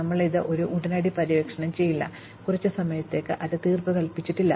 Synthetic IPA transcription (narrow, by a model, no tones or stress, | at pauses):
ɐmːɐɭiðɨʔo̞ɾuʔuɽɐnaːɽipɐɾiʋeːkʂɐɳɐmt͡ɕe̞jːilːɐ̰ | kurɐt͡ɕːusɐmɐjɐt̪ːe̞ːkːɨʔɐðɨt̪iːrpɨkɐlpit͡ɕːiʈːilːɐ